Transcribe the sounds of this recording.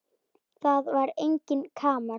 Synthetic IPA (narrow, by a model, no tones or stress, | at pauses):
θaðvaɾejɲcɪnkʰaːma